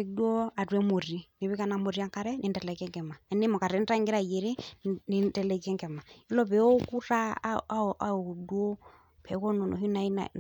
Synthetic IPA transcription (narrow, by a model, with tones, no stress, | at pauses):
dwɔ˦a˨rwɛ˦mo˨ri˦ni˨βi˦ka˨na˨mo˨ɾi˦a˦ka˦ɾɛ˦ni˨ntɛ˨lɛ˨kɛ˦ŋkɛ˨ma˨ɛ˨nɛ˦mɔ˨ka˨ɾɛ˨n̩˦ta˦ŋɡi˦ɾa˦˨je˨ɾi˦ni˨ntɛ˨lɛ˨kɛ˦ŋɡɛ˨ma˨i˦lɔ˦βɛ˨˦ɔ˦ku˦ra˦ʔa˦˨u˨dwo˦ | pʰɛ˨˦kɔ˦nɔ˨nɔ̰˨ɦi˦na˨i˦na̰˨